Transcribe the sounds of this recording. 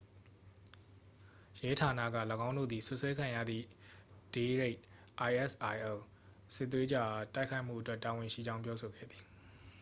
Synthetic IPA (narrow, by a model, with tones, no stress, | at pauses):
jɛ˦tʰa˨nä̰˦˨ɡä̰˦˨lə˨ɡã˦ʊ̃ndo̰˦˨d̪i˨sʊ˦ʔswɛ˦kʰã˨ja̰˦˨d̪ðḭ˦˨d̥e˨ɹe˦ɪʔ | ʔa˨ɪʔɛ˦˨sʔa˨ɪʔɛ˨l | sɪ˦ʔt̪̬ːwe˦d͡ʑa˦˨ʔa˨ta˦ɪkʰa˦ɪʔm̥ṵ˦˨ʔətwɛ˦˨tːa˨wɪ̃˨ʃḭ˦˨d͡ʑã˦ʊ̃p̬jɔ˦so˨ɡɛ̰˦˨d̪ði˨